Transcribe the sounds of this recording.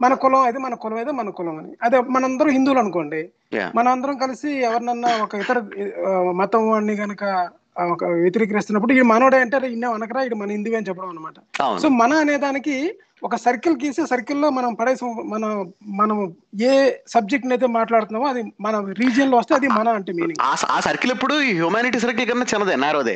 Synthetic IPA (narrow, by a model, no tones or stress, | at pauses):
mɐnɐkulɐmɐd̪eːmɐnɐkulɐmɐjt̪eːmɐnɐkulɐmɐnḭɐd̪emɐnɐmɐnd̪ɐɾɐmɦind̪uːlɐnukoːɳɖḭ | mɐnɐmɐnd̪ɐɾɐmkɐlisiɛʋɐɾnɐnːɐɔkɐit̪ɐɾu | mɐt̪ɐmʋaːnːiɡɐnɐkɐ | kɐʋjet̪̬iɾiːkɐɾist̪unːɐp̬ːuɽuiɽimɐnoːɽejɐɳʈeːɾeinːeːɐnɐkɐɾaːiɽumɐnɐɦind̪uːʋeːnit͡ʃɛpːɐɽɐmɐnːɐmaːʈɐɐ̰w̰nsoːmɐnɐːneːd̪aːniki | ɔkɐsɐɾkɐlkiːsesɐɾkɐlːo̞ːmɐnɐmpɐɽɐjsimɐnɐmɐnɐmeːsɐb̚d͡ʒek̚ʈnɐjt̪̬eːmaːʈlaːɽut̪unːaːʋoɐd̪imɐnɐɾiːd͡ʒɐnloːʋɐst̪eɐd̪imɐnɐɐɳʈeːmeːniŋɡaːa̰ːsɐɾkilepːuɽuiɦjuːmaːniʈiːs̬ɐɾk̬ilkɐnːɐt͡ʃɪnːɐd̪ɛnːaːɾuɐd̪ḛː